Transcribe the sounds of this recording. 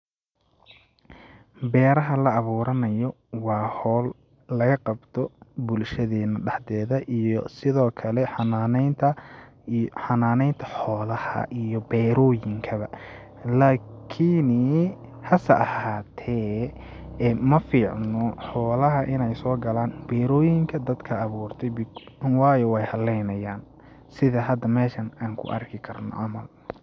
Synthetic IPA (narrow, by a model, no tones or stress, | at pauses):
bɛːɾɐɦɐlɐːβuːɾɐnɐjɔ | wɑːhɔːlː | ɐɣɐqɑbt̪ʰɔbʊlʃɐðɛːnɐɖɑħd̪ɛːðɐʔijɔsɪðɔːkʰɐlɛħɑnaːnɛjnt̪ʰɐ | ħɑnaːnɛjnt̪ʰɐ̥ħɔːlɐhɐ̰ʔijɔbɛːɾɔːjɪŋkʰɐβɐ | laːkʰin | hɐsɐʔɐhaːt̪ʰɛː | ɛmɐfiːʕnɔħɔːlɐɦɐʔɪnɛjsɔːɡɐlaːnbɛːɾɔːjɪŋkʰɐd̪ɐd̪kʰɐːβuːrt̪ʰɛjbɪwɑːjɔwɛjhɐlɛjnɐjaːn | sɪðɐɦɐd̪ɐmɛːʃɐnaːŋkʰʊ̰ʔɐ̰rkʰɪkʰɐrnɔ̰ʔɐmɐl